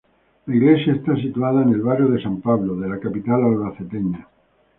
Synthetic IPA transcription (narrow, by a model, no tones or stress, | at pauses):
laiɣle̞sjae̞st̪asit̪uað̞aene̞lβarjoð̞e̞sampaβloðe̞lakapit̪alalβaθe̞t̪eɲa